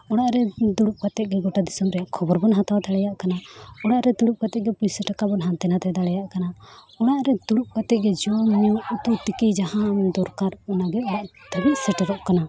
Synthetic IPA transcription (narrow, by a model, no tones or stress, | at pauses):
ɔɽ̃aʔɾɛd̪uɽup̚kat̪ɛʔ̚ɡɛɡɔʈad̪isɔmɾɛjaʔkʰɔbɔɾbɔnɦat̪awt̪aɽɛjaʔkanaɔɽaʔɾɛd̪uɽup̚kat̪ɛʔ̚ɡɛpujsɛʈakabɔnɦant̪ɛnat̪ɛd̪aɽɛjaʔkana | ɔɽ̃aʔɾɛd̪uɽup̚kat̪ɛʔ̚ɡɛd͡ʒɔmɔɲɔut̪ut̪ikid͡ʒaɦãmd̪ɔɾkaɾɔnaɡɛɔɽaʔt̪əbit̪̚sɛʈɛɾɔʔkana